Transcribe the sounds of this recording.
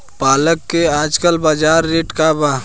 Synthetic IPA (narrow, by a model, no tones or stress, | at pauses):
paːləkːeaːd͡ʒkəlbaːd͡ʒaːɾːeːʈkaba